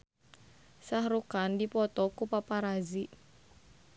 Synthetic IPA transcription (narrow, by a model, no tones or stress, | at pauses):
sahɾukandipɔt̪ɔkupapaɾazi